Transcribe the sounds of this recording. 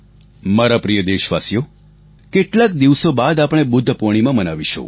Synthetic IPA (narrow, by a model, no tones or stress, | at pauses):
maɾapɾijəd̪eʃʋasjo | keʈlakd̪iʋsobad̪apɽ̃ebʊd̪ʱːəpoɽ̃imãmənaʋiʃõ̰